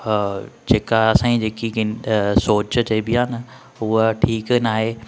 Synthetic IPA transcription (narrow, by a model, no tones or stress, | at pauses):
d͡ʑeːkaɐsãːĩd͡ʑeːkiɡɪsoːt͡ɕt͡ɕɐibiãːnə | ʊɦəʈʰiːknaːɦeː